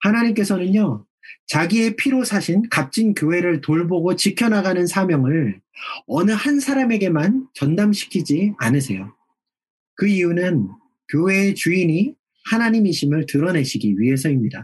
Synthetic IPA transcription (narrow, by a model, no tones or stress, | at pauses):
hanaɲimk͈e̞sʰʌnɯɲo | t͡ɕaɡie̞pʰiɾosʰaɕʰinkap̚t͡ɕ͈inkjoɦe̞ɾɯɭtoɭboɡot͡ɕikʰjʌnaɡanɯnsʰamjʌŋɯɭ | ʌnɯhansʰaɾame̞ɡe̞mant͡ɕʌndamɕʰi̥kʰid͡ʑianɯs̬ʰe̞̰jo | kɯiunɯn | kjoɦe̞t͡ɕuini | hanaɲimiɕʰimɯɭtɯɾʌne̞ɕʰiɡiɥiɦe̞s̬ʰʌimɲida